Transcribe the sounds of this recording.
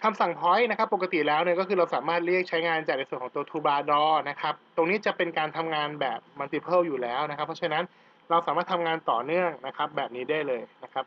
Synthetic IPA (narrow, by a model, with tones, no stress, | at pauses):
kʰa˧msa˨˩ŋpʰɔ˦˥jna˦˥kʰa˦˥pːo˨˩ka˧t̪i˨˩lɛː˦˥wnɯː˧kɔː˥˩kʰɯː˧ɾa˧wsaː˩˦maː˥˩t̪̚ɾi˥˩ək̚t͡ɕʰa˦˥jŋaː˧nt͡ɕaː˨˩k̚n˧jsu˨˩əkʰɔː˩˦t̪u˧ət̪ʰuː˧baː˧dɔː˧na˦˥kʰa˦˥p̚t̪o˧ŋniː˦˥t͡ɕa˨˩pe˧nkaː˧nt̪ʰa˧mŋaː˧nbɛ̰ː˨˩p̚ma˧t̪iː˧pʰɤː˥˩wjuː˨˩lɛː˦˥wna˦kʰa˦˥pʰːɔ˥t͡ɕʰa˥˧na˦˥n | ɾa˧wsaː˩˦maː˥˩t̪ʰa˧mŋaː˧nt̪ɔː˨˩nɯ˥˩əŋna˦˥kʰa˦˥p̚bɛː˨˩p̚niː˦˥daː˥˩jlɤː˧jna˦˥kʰa˦˥p̚